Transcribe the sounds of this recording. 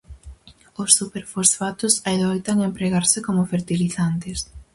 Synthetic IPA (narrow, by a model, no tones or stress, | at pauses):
osːupeɾfosfat̪ʊsaeðojt̪aŋempɾeɣaɾsɪkomʊfeɾt̪iliθant̪ɪs